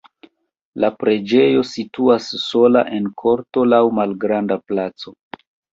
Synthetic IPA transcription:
lapɾe̞d͡ʒe̞jo̞situasːo̞la̰ʔe̞nkʰo̞ɾto̞lawmalɡɾandaplat͡so̞

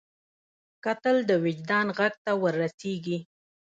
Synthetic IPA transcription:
kat̪əld̪əwɪd͡ʒd̪ɑnɣaɡ̚t̪awəɾːaseɡi

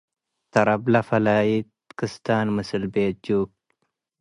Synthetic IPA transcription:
t̪ɐɾɐblɐfɐlaːjit̪kɨst̪aːnmɨsɨlbeːd͡ʒuːk̚

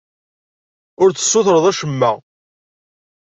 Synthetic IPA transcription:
ʊɾt͡sːə̥sːʊθɾəðˤæʃəmːæ

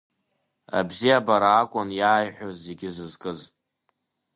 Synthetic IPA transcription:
a̰bzijabaɾaːkʷʼʊnjaːjħʷᶣozeɡʲɪzɨzkʼɨz

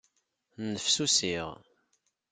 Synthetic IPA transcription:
nəfsusiʁ

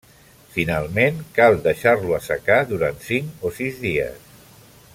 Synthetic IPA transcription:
finalˠmenkalˠd̪əʃarluəsə̰kaðuɾant̪siŋkosizðiə̰s

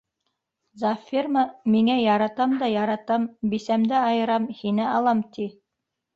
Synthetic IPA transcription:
zɑfʲːirmɑmiŋæjɑɾɑt̪ɑmd̪ɑjɑɾɑt̪ɑmbisæmd̪ɘɑjɤ̆ɾɑmhinɘɑlˠɑmt̪i

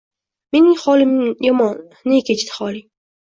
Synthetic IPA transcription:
menɪŋχɒlɪmjɒmɒnːekʲʰet͡ʃɪt̪ɪ̥χɒlˠi

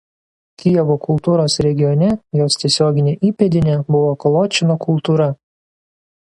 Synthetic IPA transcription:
kʲɪjɛʋokʰʊlˠt̪uːɾoːsɾʲɛɡʲɪjɔnʲɛjoːst̪ʲiɛsʲoːɡʲɪnʲeʔiːpʲɛd̪ʲɪnʲɛbʊʋɔːkɔlˠoːt͡ʃʲɪnokʊlˠt̪uːɾɐ

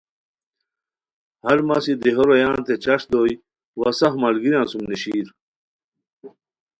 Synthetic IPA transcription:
hɐɾmɐsid̪iɦoɾojãːnt̪et͡ɕɐʂd̪oːj | wɐsɐhmɐlɡiɾãːsumniɕiːɾ

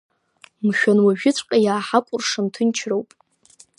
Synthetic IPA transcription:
mʃᶣanwaʒᶣɪt͡sʷʰʼqʲʼajaːħakʷʼʊrʂantʰɨnt͡ʃʰrowpʼ

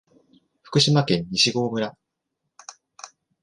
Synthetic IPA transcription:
ɸɯ̟̥kɯ̟ɕimakẽ̞ɲ̟ɲiɕiɡo̞ːmɯ̟ɾa

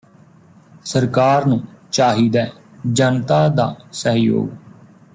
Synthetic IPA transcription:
səɾkaːɾnũːt͡ʃaːɦiːd̪ɛː | d͡ʒənt̪aːd̪aːsəɦjo̰ːɡ

